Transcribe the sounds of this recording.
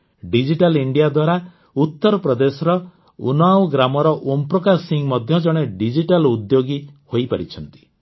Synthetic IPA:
ɖid͡ʒiʈaliɳɖijad̪waɾa | ut̪ːɔɾɔpɾɔd̪esɔɾɔ | ṵnawɡɾamɔɾɔʔompɾɔkasiŋmɔd̪ʱjɔd͡ʒɔɽ̃eɖid͡ʒiʈalud̪joɡihojpaɾit͡ʃʰɔnt̪i̥

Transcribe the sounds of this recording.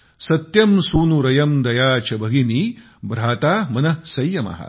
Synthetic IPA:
sɐt̪jɐmsuːnuɾɐjɐmd̪ɐjaːt͡ʃɐbʱɐɡiniː | bɾaːt̪aːmɐnɐsɐjːɐmɐ̰ɦɐ̰

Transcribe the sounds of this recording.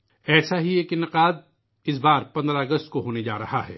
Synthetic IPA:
ɛːsaɦieːkɪnɪqaːd̪̚ | ɪs̬baːɾpɐ̃nd̪ɾaɐɡəst̪̚koɦoːned͡ʒa̰ːɾɐhaɦɛ̰ː

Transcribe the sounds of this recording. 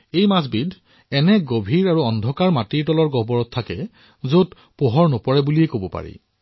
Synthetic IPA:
ejmasbidʱ | ɛnɛɡobʱiɹaɹuɔndʱɔkaɹmatiɹtɔlɔɹɡɔbɔɹɔtʰːakɛ | zot | poɦɔɹnopɔɹɛbuliɛkobɔpa̰ɹḭ

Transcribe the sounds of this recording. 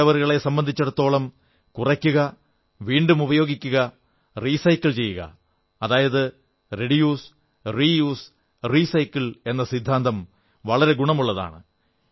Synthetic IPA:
ɐʋɐɾɣɐɭe̞sɐmbɐnd̪ʱit͡ɕːɐɽɐt̪ːo̞ːɭɐm | kurɐkʲːuɣɐ | ʋiːɳɖumubɐjo̞ːɡikʲːuɣɐ | riːsɐjkːilt͡ɕe̞jːuɣɐ̰ː | ðaːjɐðɨ | re̞ɽijuːs | riːjuːs | risɐjkːile̞nːɐsid̪ʱːaːnd̪ʱɐm | ʋɐɭɐɾe̞ɡuɳɐmuɭːɐða̰ːɳɨ

